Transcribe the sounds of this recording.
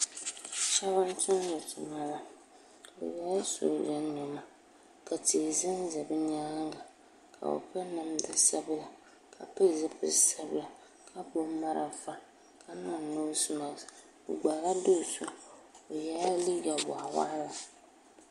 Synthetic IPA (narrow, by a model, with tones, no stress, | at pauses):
t͡ʃa˦βa˦n˦tʊ˦n˦zʊ˨tʊ˨ma˦la˨ | bɨ̰˨ja˦a˦so̰˨dɛ˦n˦nʊ˨ma˦ | ka˨ti˨zɨ˦n˦zɨ˨bɨ˦ɲa˦ŋ˦ɡa˨ | kʰa̰˨o̰˨pɛ˦nɨ˨m˦dɨ˦sa˦bɨ˦la˨ | kʰa˨pɛ˦˨zɨ˦pɨ̰˨sa˦bla˨ | kʰa˦bo˦ma˦ɾʔa̰˨fa˦ | kʰa˦na˦˨no˦sɨ˦ma˨ | bʊ˨ɡ͡ba˨ɾa˦do˦˨su˦o˨jɛ˦la˦li˦ɡa˨ba̰˨a˨wa̰ː˦la˨